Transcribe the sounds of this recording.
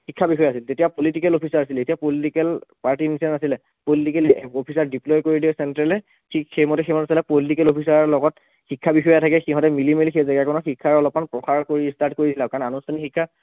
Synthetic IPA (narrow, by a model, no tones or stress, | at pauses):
xikʰːabixɔjɛasiltetijapolitikɛlopʰisaɹasiletijapolitikɛlpaɹtinsɛnasilɛ | politikɛliopʰisaɹdiplɔjkoɹidiɛsɛntɹɛlɛ | tʰikxemɔtɛxemɔtasilɛpolitikɛlopʰis̬aɹlɔɡɔt | xikʰːabixɔjatʰakɛxĩɦɔ̃tɛmilimelixejzaɡakɔnɔxikʰːaɹɔlɔp̚manpɹɔxaɹkoɹistaɹtkoɹisilakananustʰanixikʰːa